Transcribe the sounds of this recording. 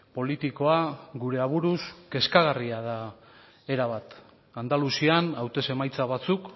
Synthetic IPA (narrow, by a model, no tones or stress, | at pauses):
po̞lit̪iko̞aɣuɾe̞aβ̞uɾuske̞skaɣariaða | e̞ɾaβat̪ | and̪alusianawt̪e̞se̞majt͡saβ̞at͡suk